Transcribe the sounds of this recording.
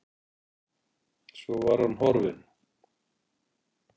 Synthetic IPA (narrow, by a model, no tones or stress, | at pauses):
svɔvaɾ̥hanɦɔɾvɪn